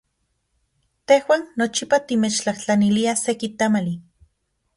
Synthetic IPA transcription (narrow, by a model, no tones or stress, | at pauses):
t̪ehwaːnːot͡ʃipat̪imet͡ʃt͡ɬaht͡ɬaniliasekit̪amali